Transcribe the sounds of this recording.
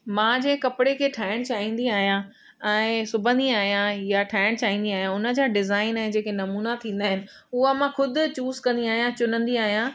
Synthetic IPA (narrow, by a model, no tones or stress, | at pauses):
mãːd͡ʑẽːkɐpɪɽekʰeːʈʰaːɪɽ̃t͡ɕaːɦĩːn̆d̪iaːɦijã | ɛ̃ːsʊbʱə̃nd̪iaːɦijãjaʈʰaːɪɽ̃t͡ɕaːɦĩːn̆d̪iaːɦijãʊnə̆d͡ʑaːɖɪzaːɪnãɦd͡ʑeːkenɐmuːnat̪ʰĩːnd̪aːɦɪnɪ̆ | ʊɦamãxʊd̪ʱʊ̆t͡ɕuːzkɐ̃nd̪iaːɦijãt͡ɕʊnə̃nd̪iaːɦijã